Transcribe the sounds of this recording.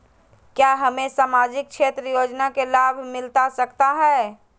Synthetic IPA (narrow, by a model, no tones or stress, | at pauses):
kjaɦəmẽsaːmaːd͡ʒɪk̚t͡ʃʰeːt̪ɾəjoːd͡ʒnakelaːbʱmɪlt̪asəkt̪aɦɛː